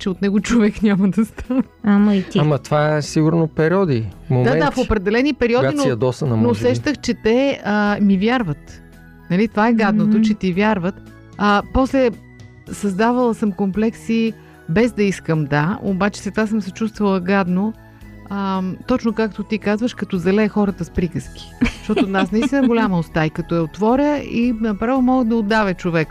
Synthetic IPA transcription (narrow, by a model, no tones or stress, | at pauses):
t͡ʃɛot̪nɛɡot͡ʃovɛkɲʲaməd̪ɐst̪ʰan | amɐit̪iamɐt̪vaɛsiɡʊɾnopɛɾiɔd̪ifmomd̪aɛnafopɾɛd̪ɛlɛnipɛɾiɔdɡ̪inɐd̪ɔst̪ənɐmnoːsɛʃt̪əxt͡ʃɛt̪ɛəmivʲjaɾvət̪ | nɐlit̪ovaɛɡad̪not̪ot͡ʃɛt̪ivʲjaɾvət̪ | əpɔslɛ | sɐzd̪avɐlˠəsəmkomplɛksi | bɛzd̪ɐiskəmd̪ao̰bat͡ʃɛ̥sɛt̪asəmsɛt͡ʃust̪vəlˠəɡad̪no | ət̪ɔt͡ʃnokak̚t̪ot̪ikazvəʃkɐt̪ɔzɐlɛxɔɾət̪əspɾikəsk̟ʲi̥ʃt̪ɔt̪onasnɐist̪ʲinəɡolʲaməost̪aikɐt̪ɔɛot̪vɔɾʲəinɐpɾavomɔɡəd̪ɐod̪ːavɛt͡ʃovɛk